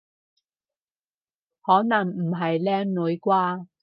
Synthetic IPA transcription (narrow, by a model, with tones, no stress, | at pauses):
hɔː˨˥nɐ˨˩ŋm̩˨˩ɦɐ˨jlɛː˥ŋnu˨˥jkwaː˥